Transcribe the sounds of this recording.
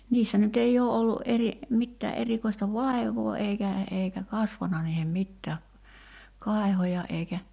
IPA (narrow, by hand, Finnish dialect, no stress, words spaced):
niːsːæ nyt ei oː olːuʔ ʔeri mitːæː ʔerikoistɑ ʋɑˑi̞ʋˑoː eikæ eikæ kɑsʋɑnɑ niːhem mitːæː kɑˑi̞hojɑ eikæ